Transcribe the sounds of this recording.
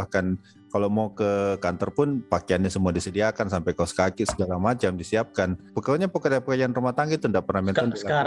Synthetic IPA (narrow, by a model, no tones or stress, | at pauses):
ahkan | kalomawkəkant̪ɔrpʊnpakeanːasəmuadisədiakansampajkausə̥kakɪsəɡalamat͡ʃamdisiap̚kanpəkauɲapəkədapəkajaanrumat̪aŋɡit̪undaʔpərnahmɛnanda